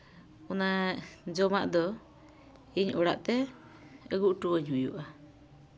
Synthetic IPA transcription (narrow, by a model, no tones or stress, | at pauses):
ɔnad͡ʒɔmaʔd̪ɔ | iɲɔɽa̰ʔt̪ɛ | əɡuʔʈuwəɲɦujṵʔa